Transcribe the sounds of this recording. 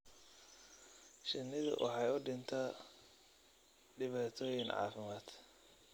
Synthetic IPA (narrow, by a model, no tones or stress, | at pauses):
ʃɪnːɪðʊ̰wʔɑ̰ħɑːjʊɖɪnt̪ʰɐ | ɖɪβaːt̪ʰɔːjɪŋʕɑ̰ːfɪmaːd̪̥